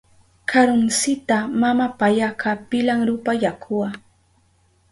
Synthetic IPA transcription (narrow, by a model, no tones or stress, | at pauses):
kʰaɾʊnsɪt̪amamapajakapɪlaŋɾʊpajakʰʊwa